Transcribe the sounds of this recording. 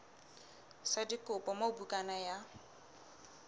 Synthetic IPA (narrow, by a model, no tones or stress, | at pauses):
sadikʼʊpʼɔmaubukʼanaja